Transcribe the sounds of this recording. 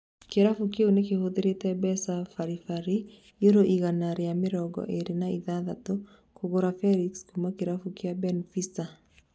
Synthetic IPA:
keɾafukeonekehoðeɾetɛbɛsafaɾifaɾi | joɾoʔiɣanaɾejamɪɾɔɡɔ̰ʔeɾenaiðaðato | kʰoɣoɾafɛɾikskumakeɾafukeabɛnfisa

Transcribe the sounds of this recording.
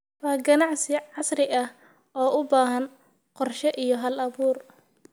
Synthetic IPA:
wɑːɡɐnɑʕsɪʕɑsrɪɐh | ɔːʔʊbaːɦɐn | qɔrʃɛʔijɞɦɐlɐβuːr

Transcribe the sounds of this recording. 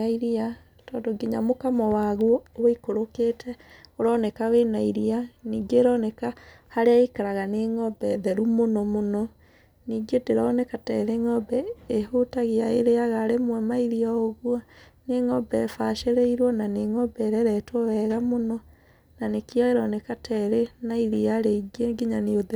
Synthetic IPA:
aiɾia | tɔndoɡeɲamokamɔwaɣwɔwikoɾoketʰɛoɾɔnɛkawenaiɾianiːɡeɾɔnɛka | haɾeaikaɾaɣaneŋɔbɛðɛɾumonɔmonɔ | niːɡedeɾɔnɛkatɛɾeŋɔbɛehotaɣeaeɾeaɣaɾemwɛmaiɾiɔoɣwa | neŋɔbɛfaʃeɾeiɾwɔnaneŋɔbɛɾɛɾɛtɔwɛɣamonɔ | nanekiaɛɾɔnɛkatʰɛɾenaiɾiaɾeiɡeŋɡeɲaneoðɛ

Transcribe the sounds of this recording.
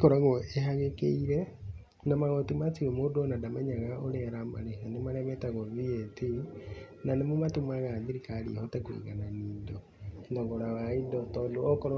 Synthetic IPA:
kɔɾaɣoeɦaɣekeiɾɛ | namaɣɔtimat͡siomodɔnadamɛɲaɣaoɾɛɾama̰ɾehanemaɾɛmɛtaɣoðieti | nanemomatumaɣaðiɾikaɾḭhɔtɛkwḭɣananiːdɔ | ndɔŋɡɔɾawaidɔtɔdoɔkɔɾ

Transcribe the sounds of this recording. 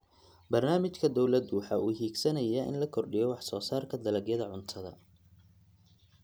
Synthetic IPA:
bɐrnaːmɪt͡ʃkʰɐd̪ɔwlɐd̪uːħɐʔuːɦiːɡsɐnɐjɐʔɪ̰nlɐkʰɔrɖɪjɔwɑħsɔːsaːrkʰɐd̪ɐlɐɡjɐðɐʕʊnt̪ʰɐðɐ̰

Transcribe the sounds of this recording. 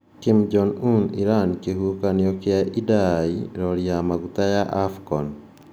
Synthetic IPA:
kimd͡ʒɔnuniɾankeɦukaneokeaʔidaiɾɔɾiamaɡut̪ajaʔafkɔn

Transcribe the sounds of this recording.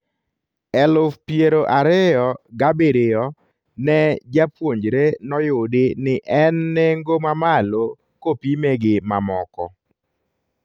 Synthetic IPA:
ɛlʊfpjeɾoʔaɾɪjɔɡabeɾɪjɔ | nɛd͡ʒapwoɲd͡ʒɾenɔjʊdenɪʔɛnːeŋɡomamalo | kopimeɡɪmamɔkɔ̰

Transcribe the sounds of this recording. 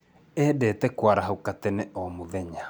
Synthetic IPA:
ɛdɛtɛkwaɾaɦaukatɛnɛʔɔmoðɛɲa

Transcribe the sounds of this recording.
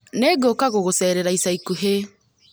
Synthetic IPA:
neɡokaɣoɣosɛːɾɛɾaisaikuɦe

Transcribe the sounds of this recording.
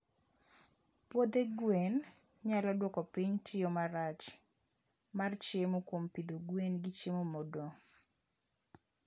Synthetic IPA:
pwod̪eɡwen | ɲalɔdwɔkɔpiɲtʰɪomaɾat͡ʃ | mart͡ʃemokwompid̪oɡwenɡɪt͡ʃemomodo

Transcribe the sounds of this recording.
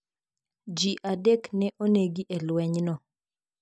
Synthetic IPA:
d͡ʒiʔadeknɛʔoneɡiʔɛlwɛɲnɔ

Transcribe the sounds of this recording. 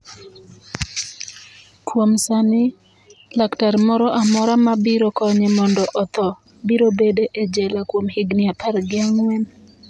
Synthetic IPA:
kwomsanɪ | laktaɾmɔɾɔʔamɔɾamabiɾɔkɔɲemɔndɔʔɔt̪ɔ | biɾobedeʔed͡ʒɛlakwomhɪɡnɪapaɾɡɪaŋwɛn

